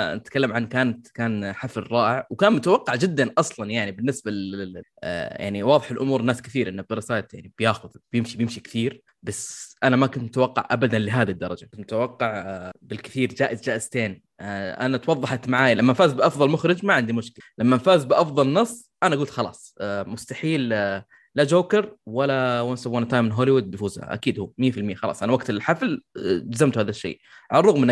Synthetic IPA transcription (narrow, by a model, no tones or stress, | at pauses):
nɪt̪kalːamʕankaːnat̪kaːnħaflɪrˤːɑːʔɪʕwkaːnmʊt̪awɑqːɑʕd͡ʒɪd̪ːanʔɑsˤlɑnjaʕnibɪnːɪsbaʔja̰ʕniwɑːðˤɪħɪlʔʊmuːɾˤnaːskθiːɾʔɪnːabɪɾsaːjt̪ja̰ʕnibjaːxʊðbjɪmʃibjɪmʃikɪ̥θiːɾ | basʔanamakʊnt̪mʊt̪awɑqːɑ̰ʕʔabad̪anlɪɦaːd̪id̪ːɑɾˤɑd͡ʒamʊt̪awɑqːɑʕbɪlkɪθiːɾd͡ʒaːʔɪzd͡ʒaːʔɪz̥t̪eːn | ʔa̰nat̪wɑðˤːɑħat̪maʕaːjalamːanfaːzbɪʔɑfðˤɑlmʊxɾɪd͡ʒmaʕɪnd̪imʊʃkɪlalamːanfaːzbɪʔɑfðˤɑlnɑsˤː | ʔanaʔaɡuːlt̪xɑlɑ̰ːsˤmʊst̪aħiːl | lad͡ʒoːkɪɾwalawansabwant̪ajmɪnɦoːliwʊd̪̚bjfuːzha̰ʔa̰kiːd̪huːmɪjːafɪlmɪjːaxɑlɑ̰ːsˤʔanawaɡt̪ɪlħafld͡ʒazamt̪haːðaʃːḛː | ʕalɑɾˤʊɣmɪnʔ